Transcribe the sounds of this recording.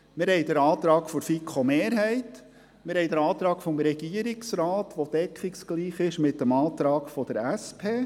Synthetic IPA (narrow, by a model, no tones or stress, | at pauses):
mɪɾhɛjd̪əɾɑːt̪ɾɑːkfɔɾfikχomeːɾɦɛɪt | mɪɾhɛjd̪əɾɑːt̪ɾɑːɡ̥fɔmɾɛɡ̥iəɾɪksɾɑːt̪ʋod̥ɛkχɪkskliːχɪʃmɪtːəmɑːt̪ɾɑːɡfɔd̥̪əɾæspʰeː